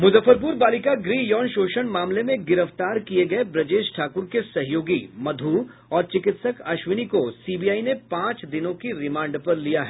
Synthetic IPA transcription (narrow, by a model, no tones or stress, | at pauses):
mʊzəfːəɾp̬uːɾbaːlɪkaɡɾiːjɔːnʃoːʃəɽmaːmlemẽɡɪɾəft̪aːɾkieɡɐebɾɐd͡ʒeːʃʈʰaːkʊɾkesɐɦjoːɡimɐd̪ʱuː | ɔːɾt͡ʃɪkɪt̪səkaːʃwɪnikosiːbijaːinepãːt͡ʃd̪ɪnõkiɾɪmãːɳɖpɐɾlijaɦɛː